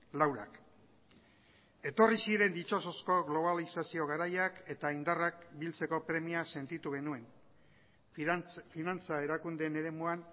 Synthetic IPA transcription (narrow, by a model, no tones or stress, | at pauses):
lawɾa̰k | e̞t̪o̞risiɾe̞nd̪it͡ʃo̞so̞sko̞ɣlo̞β̞alisasio̞ɣaɾajake̞t̪aind̪arak̚bilt͡se̞ko̞pɾe̞miase̞nt̪it̪uɣe̞nue̞n | finant͡sae̞ɾakund̪ene̞ɾe̞muan